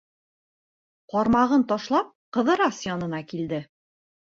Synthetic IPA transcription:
qɒɾmɑʁɤnt̪ɒʃlˠɑp̚qɤ̆ðɤ̆ɾɑsjɒnɤ̆nɑkild̪ɘ

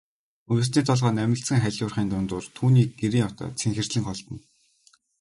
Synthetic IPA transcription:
ɵɾɘ̆s̬niːt̪ʰɔɮʁɔːnæmʲɪ̆ɬsə̆ŋχæɮʲʊːrχiːnt̪ʊnt̪ʊːrt̪ʰuːniːk̚ɡeɾiːŋɔwʰt̪ɔ̰ːt͡sʰeŋxɘ̆r̥ɮɘ̆ŋχɔɮt̪ə̆n

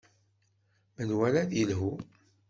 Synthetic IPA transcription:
mənwælæðəlɦu

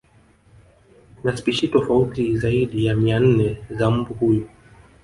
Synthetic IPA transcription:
naspiʃitɔfautizaiɗijamian̩nɛzam̩buhuju

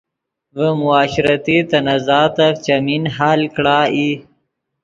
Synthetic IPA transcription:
vəmʊaːɕɾat̪it̪ɐnazɑːt̪aft͡ʃaminɦaːlkɽaːi

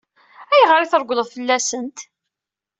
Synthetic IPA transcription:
æjʁɾiθəɾɡʷləðˤfəlːæsənt̪

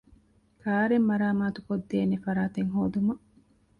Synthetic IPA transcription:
kʰaːɾemːɐɾaːmaːt̪ukod̪ːeːnefɐɾaːt̪eŋɦoːd̪umɐ

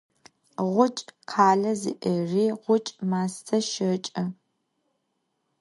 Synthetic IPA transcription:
ʁʷʊt͡ʃʼqʰaːɮɐzḭʔəriːʁʷʊt͡ʃʼmaːstʰɐʃɐt͡ʃʼɐ

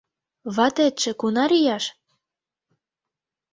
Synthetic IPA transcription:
βɑt̪et̪ʃĕkunɑɾijɑʃ

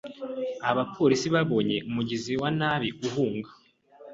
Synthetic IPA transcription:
aβapʰo̞ɾisiβaβo̞ɲe̞ʔumuɟiziwanaβiʔuɦuːŋɡa

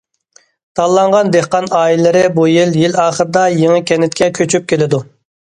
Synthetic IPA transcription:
t̪ʰɑlˠːɑɴʁɑnd̪ehqɑnɑːilɪɾɪbujiljilɑːχəɾɨd̪ɑjeŋɪkʲʰɛnɪt̪̚kʲɛkʲʰøt͡ʃʰyp̚kʲʰelɪd̪u

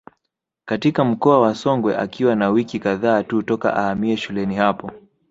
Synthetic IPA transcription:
katikam̩kɔawasɔŋɡwɛ̰ʔa̰kiwanawikikaðaːtutɔka̰ʔahamiɛʃulɛnihapɔ

